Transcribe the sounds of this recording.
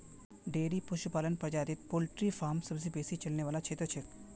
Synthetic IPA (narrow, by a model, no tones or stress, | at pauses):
ɖeːɾipʊʃʊpaːlənpɾəd͡ʒaːd̪ɪt̪poːlʈɾifaːmsɐbsibeːsit͡ʃɐlneʋaːlat͡ʃʰeːt̪ɾət͡ʃʰek